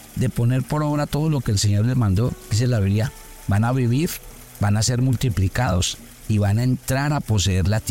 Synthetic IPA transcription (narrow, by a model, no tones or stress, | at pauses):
d̪e̞po̞ne̞ɾpo̞ɾoβɾat̪o̞ð̞o̞lo̞keːlse̞ɲo̞ɾle̞zmãnd̪o̞kis̬elaβeɾia | banaβiβiɾ | banase̞ɾmult̪iplikaðo̞s | iβanaent̪ɾaɾapo̞s̬eeɾlat̪